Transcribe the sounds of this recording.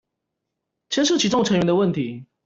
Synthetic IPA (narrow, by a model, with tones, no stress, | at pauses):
t͡ɕʰjɛ˥nʂ̬ɤ˥˩t͡ɕʰi˧˥ʈ͡ʂʊ˥˧ŋʈ͡ʂʰə˧˥ŋɥɛ˧˥nd̪ə˧wə˥˩nt̪ʰi˨˦